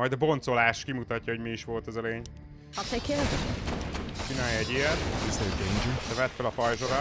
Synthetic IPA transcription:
ɒjd̪ɒbo̞nt̪so̞laːʃkimut̪ɒcːɒɦoɟmiiʃʋo̞lt̪ɛzɒleːɲ | ɒkɛjkelɛzɛt̪ | t͡ʃinaːjɒɛɟiɛt̪iseekeɲd͡ʒid̪ɛvɛt̪felɒfɒjʒoɾɒ

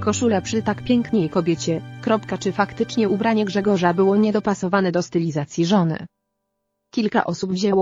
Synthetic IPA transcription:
kɔʂulapʂɘt̪akpʲjɛŋkɲejkɔbʲjɛt͡ɕɛkɾɔpkat͡ʂɘfakt̪ɘt͡ʂɲɛubɾaɲɛɡʐɛɡɔʐabɘwɔɲɛd̪ɔpasɔvanɛd̪ɔst̪ɘlʲizat̪sʲjiʐɔnɘ̰ | kʲilka̰ʔɔsubvʑɛwɔ

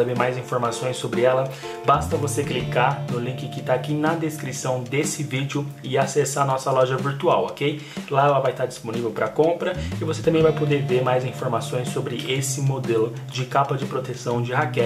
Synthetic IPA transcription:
abeɾmajzĩfoɾmasõj̃sːobɾɪɛlɐ | bast̪ɐvoseklikaɾnʊlĩkɪkɪt̪aːkinɐd̪eskɾisɐ̃w̃d̪esɪvid͡ʒɪʊɪasesaɐnɔsɐlɔʒɐviɾt̪uawɔkej | laɛlɐvajt̪aɾd͡ʒisponivewpɾɐkõmpɾɐɪvoset̪ɐ̃mbẽj̃vajpod̪eɾveɾmajzĩfoɾmasõj̃sobɾɪʔesɪmod̪elʊ | d͡ʒɪkapɐd͡ʒɪpɾot̪esɐ̃w̃d͡ʒɪɦakɛ

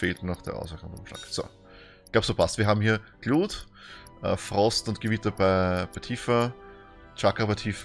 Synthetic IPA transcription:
feːltnaχd̥ḛːɐʔa̰ʊsəkʊnʊmʃla̰ːkso̰ː | ɪɡ̥laʊb̥soːpʰastviːɐɦaːbmhiːɐɡ̥luːt | ʔə̰ːfʁɔstʊnt̚ɡ̥əvɪtɐbaɪbæɪtʰiːfɐ | t͡ʃakɐbaɪtʰiːf

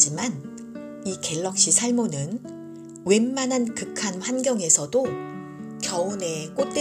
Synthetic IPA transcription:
d͡ʑiman | ike̞ɭːʌk̚ɕ͈isʰaɭmonɯn | we̞mːanɦankɯkʰanɸwanɡjʌŋe̞sʰʌdo | kjʌone̞k͈ot̚t͈e

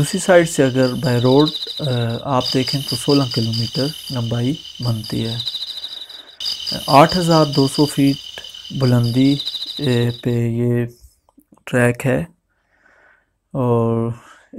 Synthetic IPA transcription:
d̪uːsɾisaːɪɖseɐɡəɾbaːɪɾoːʈ | aːp̚d̪eːkʰẽːt̪osoːlãkɪloːmiːʈəɾnəbaːi | bənt̪ḭɦɛː | aːʈʰɦəzaːɾd̪oːsɔːfʰiːʈ̚bʊlə̃nd̪i | peje | ʈɾɛːkɦɛː | ɔːɾ

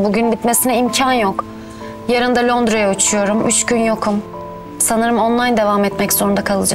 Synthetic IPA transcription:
buɟynbit̪me̞sinɛimcʰanjo̞k | jaɾɯnd̪alʲo̞nd̪ɾojaut͡ʃʰujo̞ɾumyt͡ʃɟynjo̞kʰum | sanɯɾɯmonlˠajnd̪e̞vamɛt̪mɛcz̥oɾund̪akʰalˠɯd͡ʒa̰

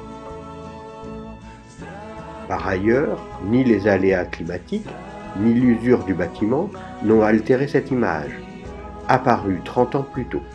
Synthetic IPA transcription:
paʁajœʁnilezaleaklimat̪ik | nilyzyʁd̪ybat̪imɑ̃ | nɔ̃alt̪eʁesɛt̪ima̰ʒ | apaʁyt̪χɑ̃t̪ɑ̃plyt̪o

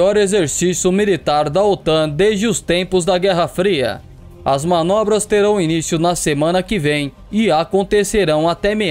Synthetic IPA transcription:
ɔɾezeɾsisjʊmilit̪aɾd̪ɐot̪ɐ̃d̪ezd͡ʒɪʊst̪ẽpʊzd̪ɐɡɛɦɐfɾiɐ̰ | ɐzmɐ̃nɔbɾɐst̪eɾɐ̃w̃inisjʊnɐsemɐ̃nɐkɪvẽj̃ | ɪakõnt̪eseɾɐ̃w̃ɐt̪ɛme

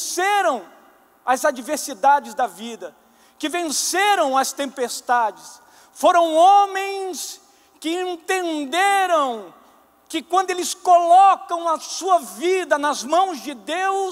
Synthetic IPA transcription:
seɾɐ̃w̃ | ɐzad͡ʒiveɾsid̪ad͡ʒɪzd̪ɐvid̪ɐ | kɪvẽseɾɐ̃w̃ɐst̪ẽmpest̪ad͡ʒɪs | foɾɐ̃w̃õmẽj̃s | kɪẽnt̪ẽnd̪eɾɐ̃w̃ | kɪkwɐ̃nd̪ʊelɪskolɔkɐ̃w̃ɐsuɐvid̪ɐnɐzmɐ̃w̃zd͡ʒɪd̪ew

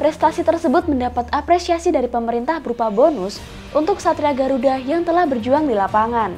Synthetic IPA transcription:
pɾɛst̪asit̪ərsəbʊt̪̚məndapat̪apɾesiasidaɾipəməɾint̪ahbəɾupabonʊs | ʔunt̪ʊk̚sat̪ɾiaɡaɾudahjaŋt̪əlahbərd͡ʒuaŋdilapaŋan

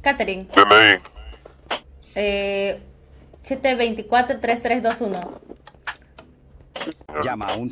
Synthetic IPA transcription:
kat̪eɾiŋbelej | e | set̪eβejnt̪ikwat̪ɾot̪ɾest̪ɾesd̪osuno | amaun

